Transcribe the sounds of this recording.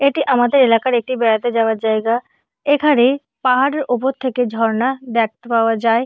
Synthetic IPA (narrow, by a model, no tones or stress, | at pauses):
eʈiʔamad̪eɾelakaɾek̚ʈibɛɽat̪ed͡ʑaoaɾd͡ʑajɡa | ekʰane | paɦaɽeɾʔup̬oɾt̪ʰeked̪ʱɔɾnad̪ɛkʰt̪epaoad͡ʑae